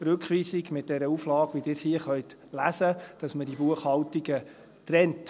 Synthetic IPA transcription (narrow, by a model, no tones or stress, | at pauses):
ɾɵkχʋiːsiɡmɪt̚d̥ɛɾəuflɑːɡʋidɪshiəχœʏt | læsəd̥ɑsmədibuəχhɑltiɡə | tɾɛnt